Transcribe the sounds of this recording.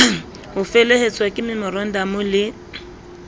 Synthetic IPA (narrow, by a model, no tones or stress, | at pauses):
hʊfelehet͡sʼwakʼɪmɪmɪɾɔn̩damʊlɪ